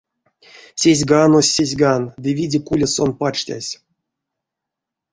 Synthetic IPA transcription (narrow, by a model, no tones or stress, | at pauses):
sʲezʲɡanosʲːezʲɡand̪ɨvʲidʲɪkulʲeso̞npat͡ʂtʲa̰sʲ